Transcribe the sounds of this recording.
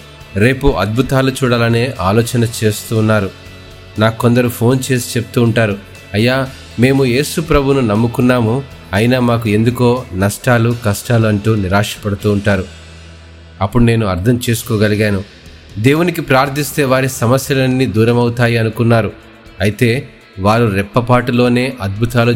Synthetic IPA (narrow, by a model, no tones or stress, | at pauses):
ɾe̞ːpuʔɐd̪̚bʱut̪aːlut͡ʃuːɽaːlɐneːʔaːlɔːt͡ʃɐnɐt͡ʃe̞ːst̪uːnːaːɾu | naːkkːond̪ɐɾupʰo̞ːnt͡ʃe̞ːsi̥t͡ʃepu̥t̪uːɳʈaːɾu | ɐjːaː | me̞ːmuje̞ːsupɾɐbʱununɐmːukunːaːmu | ɐjinaːmaːk̬ue̞nd̪ukoːnɐsʈaːlukɐsʈaːluɐɳʈuːniɾaːʂɐ̥pɐɽɐt̪uːɳʈaːɾu | ɐpːuɽune̞ːnuɐɾd̪ʰʱɐmt͡ʃe̞ːsu̥koːɡɐliɡaːnu | d̪eːwunikipɾaːɾt̪ʰːist̪e̞ːʋaːɾisɐmɐsjɐlɐnːid̪uːɾɐmɐwut̪aːjiɐnukunːaːɾu | ɐjit̪e̞ː | ʋaːɾuɾɛpːɐpaːʈulo̞ːne̞ːʔɐd̪̚bʱut̪aːlu